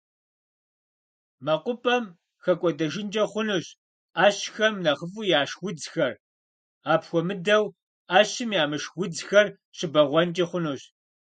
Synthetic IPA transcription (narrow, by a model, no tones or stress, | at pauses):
mɐqʷʼʊpʼɐm | xɐkʷʼɔdɐʒɪnd͡ʒʼɐχʷʊnuɕ | ʔaːɕxɐmnɐχəfuːjaːʂwʷʊd͡zxɐr | aːpxʷɔmɨdɐw | aːɕɪmjaːmɨʂwʷʊd͡zxɐr | ɕɪbɐʁʷɔnt͡ʃʼiχʷʊnuɕ